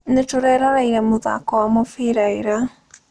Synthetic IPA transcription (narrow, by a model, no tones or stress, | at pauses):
netoɾɛɾaɾaiɾɛmoða̰kɔwamofiɾaeɾa